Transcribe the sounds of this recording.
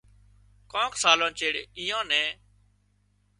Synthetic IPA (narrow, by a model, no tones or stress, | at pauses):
kõːksaːlõːt͡ʃeːɽḛːiːãːnɛ̃ː